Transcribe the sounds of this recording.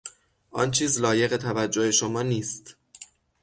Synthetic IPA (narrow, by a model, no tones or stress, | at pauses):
ʔɒ̰ːnt͡ʃʰiːzlɒːje̞ɣe̞t̪ʰævæd͡ʒːohe̞ʃomɒːniːst̪